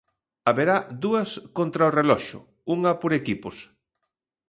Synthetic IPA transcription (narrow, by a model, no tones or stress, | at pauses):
aβeɾad̪uɐskont̪ɾaorelɔʃʊ̰ | uŋɐpoɾekipʊs